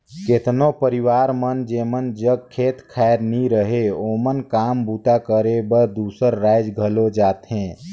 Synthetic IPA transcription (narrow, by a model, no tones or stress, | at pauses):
ket̪nopəɾiwaːɾmənd͡ʒeːmənd͡ʒəɡ̚kʰːeːt̪kʰaeɾniɾəɦeomənkaːmbut̪akəɾebəɾd̪uːsəɾːaːɪd͡ʒɡʱəlod͡ʒaːt̪ɦẽː